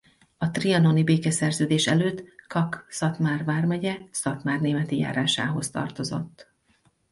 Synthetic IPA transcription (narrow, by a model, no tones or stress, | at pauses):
ɒt̪riɒno̞nibeːkɛsɛrzøːd̪eːʃɛløːt̪ːkɒksɒt̪maːrvaːrmɛɟɛsɒt̪maːrneːmɛt̪ija̰ːɾaːʃa̰ːɦo̞st̪ɒ̰rt̪o̞zo̞̰t̪ː